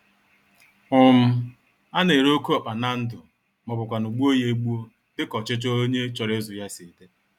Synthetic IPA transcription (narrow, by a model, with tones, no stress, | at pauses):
ʊ˦m̩˦ | a˦ne˨ɾo˦ku˦ɔ˨k͡pa˨na˦n̩˦dʊ˨ | mʊ˨bʊ˨kʷa˨nu˨ɡ͡bu˦o˦je˦ɡ͡bu˦o˦ | dɪ˦kɔ˨t͡ʃɪ˦t͡ʃo˦o˦ɲe˦t͡ʃɔ˨ɾɪ˦zʊ˨ja˦si˨te˦